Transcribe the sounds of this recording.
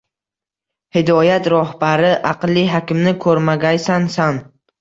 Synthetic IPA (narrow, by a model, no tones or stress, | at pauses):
hɪd̪ɒjat̪ɾɒhbaɾɪʔɑqlˠːiɦakʲɪmnɪkʰɵɾmaɡʲajsansan